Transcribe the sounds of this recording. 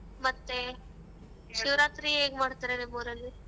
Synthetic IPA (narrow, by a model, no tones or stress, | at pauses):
mɐt̪ːe | ʃiʋɾaːt̪ɾieːɡmaːɽt̪aɾenemoːɾɐlːi